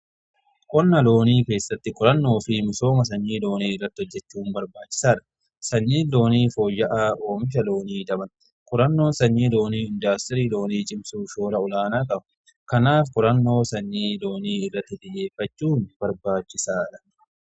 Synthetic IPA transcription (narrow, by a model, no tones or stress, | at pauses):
kʼɔnːɐlo̞ːniːke̞ːsːɐt̪ːɪkʼʊɾɐnːo̞ːfɪmɪso̞ːmɐs̬ɐɲːiːlo̞ːniːɪrːɐt̪ːɪɔd͡ʒːɛt͡ʃːuːmbɐɾbaːt͡ʃːɪ̥saːᶑɐ̥ | sɐɲːiːlo̞ːniːfo̞ːjːɐʔaːʔoːmɪʃ̬ɐlo̞ːniːd̪ɐbɐn | kʼʊɾɐnːo̞ːnsɐɲːiːlo̞ːniːɪnd̪aːst̪ɪɾiːlo̞ːniːt͡ʃʼɪmsuːʃo̞ːlɐʊlaːnaːkʼɐbɐ̥ | kɐnaːfkʼʊɾɐnːo̞ːsɐɲːiːlo̞ːniːɪrːɐt̪ːɪd̪ɪje̞ːfɐt͡ʃːuːnb̥ɐɾbaːt͡ʃːɪsaːᶑɐ̥